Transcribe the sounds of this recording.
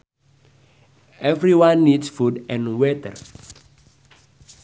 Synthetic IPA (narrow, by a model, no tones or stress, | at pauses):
ʔɛvɹiwãnːidsfudɛ̃nwetə̰ɹ